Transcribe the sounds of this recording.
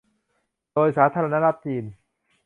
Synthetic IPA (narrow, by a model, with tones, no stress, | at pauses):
doː˧jsaː˩˦t̪ʰaː˧ɾa˧na˥ɾa˦˥t̪̚t͡ɕiː˧˩n